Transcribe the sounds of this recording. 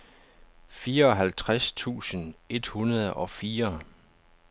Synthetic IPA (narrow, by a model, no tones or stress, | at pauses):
fiːɐɒ̽ɦælt͡sʰʁast͡sʰṵːsəne̝d̥hunɐð̞ˠɒ̽fiːɐ